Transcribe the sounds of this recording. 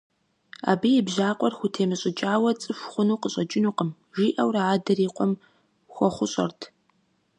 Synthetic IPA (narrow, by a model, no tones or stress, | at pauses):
a̰ːbijɪbʒaːqʷʼɔrxʷʊtʰeːmɨɕʼɪt͡ʃʼaːwɐt͡sʼɨfʷχʷʊnuːqəɕʼɐt͡ʃʼɪnuːqəm | ʒiːʔɐwraaːdɐriːqʷɔm | xʷɔχʷʊɕʼɐ̰rtʰ